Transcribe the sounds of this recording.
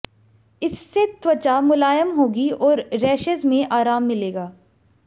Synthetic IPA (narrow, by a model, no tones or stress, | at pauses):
ɪsːet̪ʋɐt͡ʃamʊlaːjəmɦoːɡiɔːɾɾɛːʃəzmẽʔaːɾaːmːɪleːɡaː